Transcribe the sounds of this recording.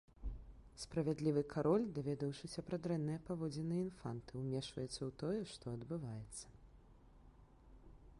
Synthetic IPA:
spɾɐvʲad̪lʲivɨkʰaɾɔlʲd̪avʲɛd̪ɐwʂɨsʲɐpɾad̪ɾɛnːɨjɐpavɔd͡zʲɛnɨinfa̰nt̪ɨwmʲɛʂvɐ̰jɛt̪sːɐwt̪ɔjɛʂt̪ɔɐd̪bɨvajɛt̪sːɐ̥

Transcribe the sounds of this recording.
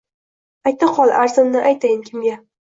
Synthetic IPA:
ajt̪ːɪqʰɒlˠaɾzɪmnɪʔajt̪ajɪnkʲʰɪmɡʲa

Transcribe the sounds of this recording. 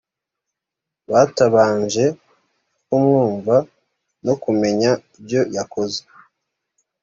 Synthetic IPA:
βaːtaβaːɲʒe̞ | kumŋuːɱva | no̞kume̞ɲaibjo̞jakoze̥

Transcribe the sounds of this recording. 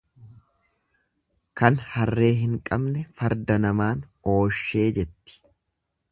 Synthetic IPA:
kɐnhɐrːe̞ːɦɪŋkʼɐbnɛfɐɾd̪ɐnɐmaːno̞ːʃːe̞ːd͡ʒɛt̪ːɪ̥

